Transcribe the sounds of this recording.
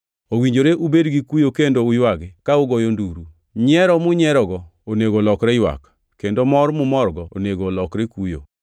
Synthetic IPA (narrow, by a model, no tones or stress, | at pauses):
owiɲd͡ʒoɾeʔubedɡikujokendoʊjwaɡɪkaʊɡɔjonduɾu | ɲɛɾɔmʊɲɛɾɔɡɔoneɡolɔkɾɛjwa̰k | kendomɔɾmʊmɔɾɡɔo̰neɡolɔkɾekujo̰